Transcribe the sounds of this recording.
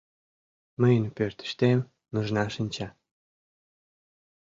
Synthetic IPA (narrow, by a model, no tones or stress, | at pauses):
məjənpørt̪ə̥ʃt̪em | nuʒnɑʃənʲt͡ɕɑ